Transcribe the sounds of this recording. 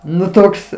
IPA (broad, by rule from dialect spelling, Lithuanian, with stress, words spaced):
ˈnʊ ˈtoːks